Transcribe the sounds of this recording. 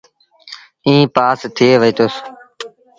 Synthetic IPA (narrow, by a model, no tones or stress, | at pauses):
ĩːpaːst̪ʰɪeːʋəiːt̪ʊs